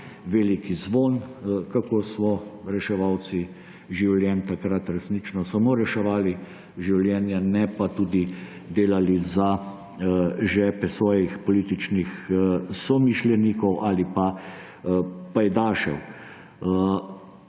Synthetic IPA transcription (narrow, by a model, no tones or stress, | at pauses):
ʋelikizʋoːnkakoːsmɔɾɛʃɛʋaw̪si | ʒiwljɛnt̪akɾat̪ɾɛsniːt͡ʃnɔsamoːɾɛʃɛʋaːli | ʒiwljɛːnjanɛpat̪uːd̪i | d̪eːlaliza | ʒɛːpɛsʋɔːjixpɔliːt̪it͡ʃnixsɔmiʃljɛniːkɔwʔaːlipa | pajd̪aːʃɛ̰w